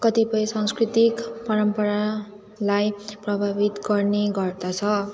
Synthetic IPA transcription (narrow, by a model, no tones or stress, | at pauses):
kʌt̪ipʌj̃sʌ̃ŋskrit̪ikpʌɾʌmpʌɾa | lajprʌbʱabit̪ɡʌrneɡʌrd̪at͡sʰʌ